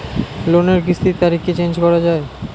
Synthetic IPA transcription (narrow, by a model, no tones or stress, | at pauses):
loneɾɡist̪it̪ːaɾikːet͡ɕend͡ʑkɔɾad͡ʑae